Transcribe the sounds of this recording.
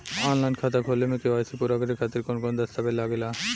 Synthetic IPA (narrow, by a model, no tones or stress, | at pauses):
ɔnlajnkʰat̪akʰolːemek̪eajsʰipuɾaɡaɾikʰat̪eɾkonkond̪ast̪abelaɡela